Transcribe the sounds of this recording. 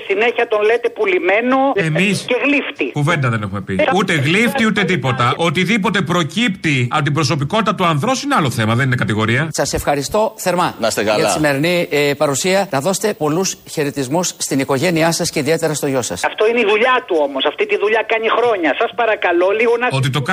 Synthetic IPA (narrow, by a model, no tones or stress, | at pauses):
sine̞çɐt̪o̞nlet̪e̞pulime̞noemisceɣlift̪ikuve̞nd̪ɐðe̞ne̞xume̞piut̪e̞ɣlift̪iut̪e̞t̪ipo̞t̪ɐot̪iðipo̞t̪e̞pɾo̞cipt̪iɐ̰pot̪ibɾo̞s̬o̞p̬iko̞t̪it̪ɐt̪uɐnðɾo̞sinealo̞θe̞mɐðe̞ninekɐt̪iɣo̞ɾiɐsɐse̞fxɐɾist̪o̞θe̞ɾmɐnɐst̪ekɐlɐɐisime̞ɾinipɐɾusiɐnɐðo̞set̪e̞po̞lusçe̞ɾet̪izmusːt̪iniko̞ʝe̞niɐsɐsceiðie̞t̪e̞ɾɐst̪o̞ʝo̞sɐ̰sɐft̪o̞ineiðuʎat̪uo̞mosɐft̪it̪iðuʎakɐɲixɾo̞ɲɐsɐspɐɾɐkɐlo̞liɣonɐot̪̬it̪ok